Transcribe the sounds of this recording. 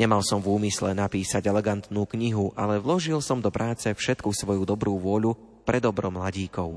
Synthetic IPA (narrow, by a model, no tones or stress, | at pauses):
ɲɛmalsɔmvuːmislɛnapiːsaɟɛlɛɡant̪nuːkɲiɦuʔʔalɛʋlɔʒilsɔmd̪ɔpɾʔaːt͡sɛfʃɛt̪kusʋɔjud̪ɔbɾuːʋʊɔʎu | pɾɛd̪ɔbɾɔmlaɟiːkɔʊ